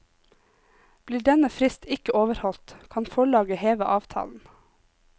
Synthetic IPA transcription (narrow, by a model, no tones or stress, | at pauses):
b̥liːɖɛnəfɾɪst̪ɪkəʔoːʋəɾhɔlt̪kʰɑnfɔɭɑːɡəheːʋəʔɑːʋt̪ʰɑ̰ːln̩